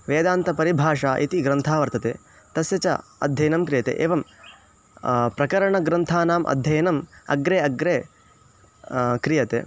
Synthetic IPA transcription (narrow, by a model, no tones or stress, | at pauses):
ʋeːd̪aːnt̪ɐpɐɾibʱaːʂaːʔit̪iɡɾɐnt̪ʰaːʋɐɾt̪ɐt̪ḛː | t̪ɐsjɐt͡ʃɐ̰ɐ̰d̪ʱjɐjnɐmkɾijɐt̪ḛːʔḛːʋɐm | pɾɐkɐɾɐɳɐɡɾɐnt̪ʰaːnaːmʔɐ̰d̪ʱjɐjnɐmɐ̰ɡɾeːɐɡɾeː | kɾijɐt̪ḛː